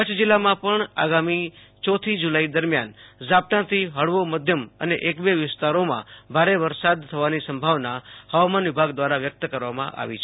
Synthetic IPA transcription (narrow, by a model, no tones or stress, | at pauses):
kət͡ʃʰd͡ʒɪlːamãpəɳa̰ɡami | t͡ʃɔt̪ʰid͡ʒulaid̪əɾmjand͡ʒap̚t̪ãt̪ʰiɦəɽʋoməd̪ʱjəmə̰neʔekbeʋɪst̪aɾomã̰bʱaɾeʋəɾsad̪̚t̪ʰəʋanisə̃mbʱaʋnahəʋamanʋɪbʱaɡd̪ʋaɾaʋjək̚t̪əkəɾʋamã̰ʔa̰ʋḭt͡ʃʰe